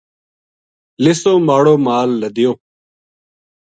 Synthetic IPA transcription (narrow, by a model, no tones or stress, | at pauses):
lɪsõːmaːɽõːmaːlːəd̪ɪjõː